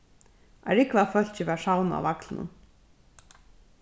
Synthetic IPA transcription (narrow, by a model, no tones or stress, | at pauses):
ʔa̰ɾɪkvafœl̥t͡ɕɪʋɛʂawna̰wvaklɪnʊ̰n